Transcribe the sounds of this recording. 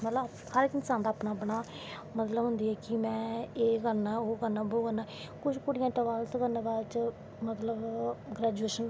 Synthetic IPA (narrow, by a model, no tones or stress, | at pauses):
mət̪lə | həɾkɪnsaːnd̪aːpnaːbnaː | mət̪ləbɦʊnd̪iːɛːkɪmɛ̃ːeːkəɾnaːoːkəɾnãːboːkəɾnaː | kʊt͡ʃʰkʊɽɪjãːʈəʋaːlskəɾnaːbaːdt͡ʃ | mət̪ləbɡɾɛːd͡ʒueːʃən